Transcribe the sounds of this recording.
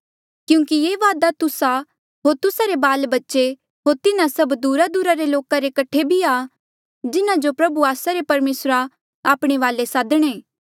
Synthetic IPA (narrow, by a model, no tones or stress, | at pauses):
kjũːkieːʋaːd̪at̪ʊsa | ɦoːɾt̪ʊsaɾebaːlbɐtːʃe | ɦoːɾt̪ɪnãsɐbd̪uːɾad̪uɾaɾeloːkaɾekɐʈʰebʱia | d͡ʒɪnãd͡ʒopɾɐbuaːsaɾepɐɾmeːsɾa | aːpɽ̃eʋaːlesaːd̪əɽ̃ẽː